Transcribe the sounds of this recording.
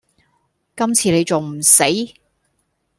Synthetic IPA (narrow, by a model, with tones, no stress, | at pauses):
kɐ˥mt͡sʰiː˨˧ne˨˧jt͡so˨wm̩˨˩se˨˥j